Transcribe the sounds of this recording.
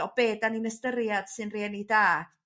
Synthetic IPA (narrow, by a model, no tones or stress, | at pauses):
ɔbeːdaninəstəɾjad̥sɨnreːnidaː